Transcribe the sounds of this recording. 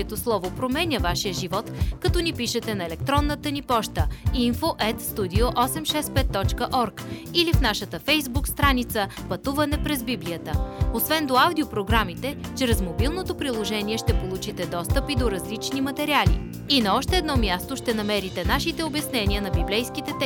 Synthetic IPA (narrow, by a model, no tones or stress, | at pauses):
ɛt̪oslˠɔvopɾomɛnʲəvaʃijəʒivɔt̪kɐt̪ɔnipiʃɛt̪ɛnɐɛlɛk̚t̪ɾɔnːət̪ənipɔʃt̪əinfoʔɛt̪st̪ud̪ioʔɔsɛmʃɛspɛt̪ːɔt͡ʃkəʔɔɾkilifnaʃət̪əfɛjzbukst̪ɾanit̪səpɐt̪uvɐnɛpɾɛzbibliət̪əosvɛnd̪oawd̪iopɾoɡɾamit̪ɛt͡ʃɾɛzmobilˠnot̪opɾilˠoʒɛniɛʃt̪ɛpolˠut͡ʃit̪ɛd̪ɔst̪əpid̪oɾɐzlit͡ʃnimɐt̪ɛɾialḭ | inɐɔʃt̪ɛːd̪nɔmʲjast̪oʃt̪ɛnɐmɛɾit̪ɛnaʃit̪ɛobɐsnɛniənɐbiblɛjskit̪ɛt̪ɛ